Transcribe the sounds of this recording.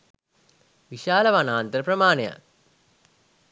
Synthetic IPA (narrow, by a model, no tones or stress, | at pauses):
ʋiʃaːlɐʋanaːnt̪əɾəprɐmaːneja̰